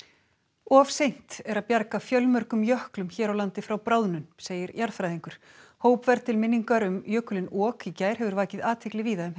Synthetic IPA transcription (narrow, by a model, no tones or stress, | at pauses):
ɔfsejn̥t̪ɛɾaðpjaɾkafjœlmœɾkʏmjœhklʏmçɛːɾawlant̪ɪfɾawpɾaːwðnʏnseːjɪɾjaɾðfɾajðiŋkʏɾ̥ | hoːwpvɛɾt̪ʰɪlmɪnːiŋkaɾʏmjœːkʏlɪnɔːkicaːjɾ̥ɦɛvʏɾvaːcɪðaːt̪ʰɪhklɪviːðaʏm